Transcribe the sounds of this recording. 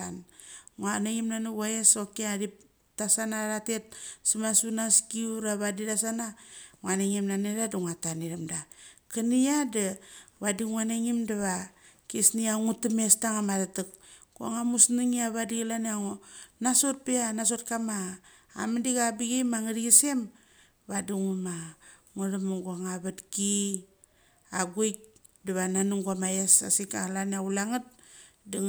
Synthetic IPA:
anŋuaneŋimnanuβaeso̞kiaɾip̚ | tasanaɾatet̚simasunaskiuɾaβadiɾasanaŋwaneŋimnaneɾadaŋataniɾamdakaniadaβadiŋuaneŋimdaβakesniaŋutame̞staŋamatatɨk̚ | ɡua̰ŋamusniŋiaβadiɡlaneaŋonaso̞t̚peanas̬o̞t̚kama̰ː | madiɡabiɡejmaŋadiɡise̞m | βadiŋuma | ŋudamaɡuaŋaβatki | aɡojk̚ | daβananuŋɡuamajesa̰sikalaneaulaŋat̚ | da

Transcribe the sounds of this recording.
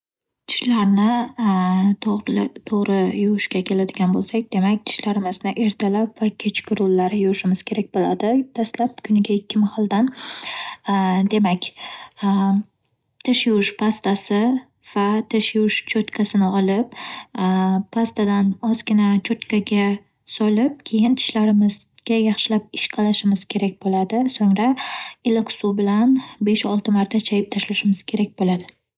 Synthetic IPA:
t̪ʰɪ̥ʃlaɾnɪ | t̪ʰoʁɾɪjʊʊʃkʲakʲʰe̞lad̪ɪɡʲanbolˠsakʲd̪̥e̞makʲt̪ʰɪ̥ʃlaɾɪmɪznɪʔe̞ɾt̪ʰalapvakʲʰet͡ʃkʲʰɪɾʊlːaɾɪjʊɪʃɪmɪz̥kʲʰe̞ɾak̚ʲbolad̪ɪd̪aslap̚kʰʊnɪɡʲaɪkʲʰːɪmahalˠd̪an | d̪e̞makʲ | t̪ʰɪʃjʊʃpʰast̪asɪ | v̥at̪ʰɪʃjʊʃt͡ʃʰot̪kʰasɪnɪɒlɪp | pʰast̪ʰad̪anɒzɡʲɪnat͡ʃʰot̪kʰʲaɡʲa | sɒlɪp̚kʲʰe̞jɪnt̪ʰɪ̥ʃlaɾɪmɪzɡʲajɑχʃɪlap̚ɪ̥ʃqʰɑlaʃɪmɪz̥kʲʰe̞ɾak̚ʲbolad̪ɪsoŋɾaɪlɪksubɪlanbe̞ʃɒlˠt̪ʰɪmaɾt̪ʰat͡ʃʰajɪp̚t̪ʰaʃlaʃɪmɪz̥kʲʰe̞ɾak̚ʲbolad̪ɪ

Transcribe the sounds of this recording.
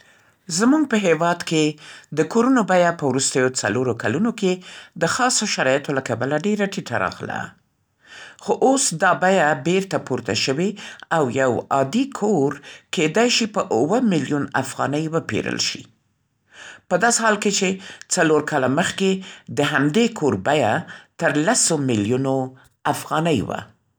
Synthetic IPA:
zmuɡ̚pəɦewɑd̪ked̪əkoɾunobajapəwɾust̪əjot͡saloɾokalunoked̪əxɑsoʃaɾɑjat̪olakabəlaɖeɾaʈiʈʰa̰ɾɑ̰ɣla̰ | xoʔosd̪ɑbajabeɾt̪apuɾt̪a̰ʃəwiawjawɑd̪ikʰoɾked̪ajʃipəʔʊwəmiljunafɣɑ̰nəjwəpḛɾə̰lʃḭ | pəd̪ɑsehɑlket͡ʃet͡saloɾkɑlaməxked̪əɦamd̪ekʰoɾbajat̪əɾlasomiljuno | afɣɑnəjwa̰

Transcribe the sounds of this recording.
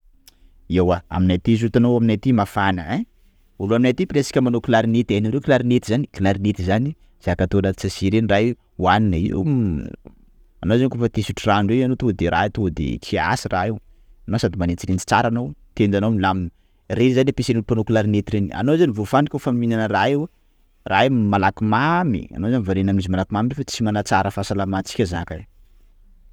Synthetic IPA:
ewaa̰minajt̪is̬ut̪anoaminajt̪imafanəe | uluaminajt̪ipiɾesi̥kʲəmanokulaɾinet̪aniɾewkilaɾinet̪izanikilaɾinet̪izani | z̥aakat̪onat̪i̥t͡sasiɾenraj | uaninaḭ | anowzanikofat̪esuʈ͡ʂiraneanot̪od̪eɾʔat̪od̪ḛkia̰sirʔaew | anowsad̪imanet͡siɾend͡zi̥t͡saɾanowt̪end͡ʒanowmilaminə | rezanapesenunupanokulaɾinet̪iɾenia̰nowzanivofanikʲofanuminanəraew | ramalakimamḭa̰nozanivoɾenaminizimalakimaminefat͡simanat͡saɾəfasalamat͡si̥kʲəzanka

